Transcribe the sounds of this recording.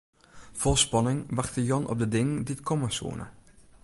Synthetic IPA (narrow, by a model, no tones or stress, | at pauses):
fɔlˠspɑnɪŋʋaχxtəjɔnɔ̰p̚dədɪŋəndiətkʰɔməsṵːənə̰